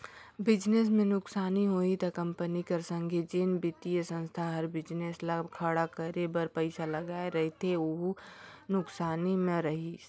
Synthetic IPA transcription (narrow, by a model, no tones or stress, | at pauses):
bɪd͡ʒnes̬mẽnʊksaːniɦoːit̪ɐkɐ̃mpənikɐɾsə̃ŋɡʱed͡ʒenbɪt̪ijəsə̃nst̪ʰaɦɐɾbɪd͡ʒneːslakʰəɽakəɾebəɾpəɪsalɐɡaːeɾɐɦit̪ʰeoɦunʊksaːnimẽɾɐɦi